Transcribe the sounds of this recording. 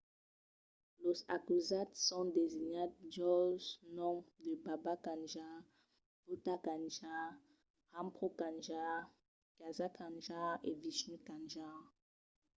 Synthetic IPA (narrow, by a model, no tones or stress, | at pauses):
loza̰kyzat̪sɔ̃d̪eziɲat̚d͡ʒɔʒnɔ̃md̪əbabakãnʒa | b̥utakãnʒa | ʁãmpχokãnʒa | ɡ̥azakãnʒaʁeviʃnikãnʒa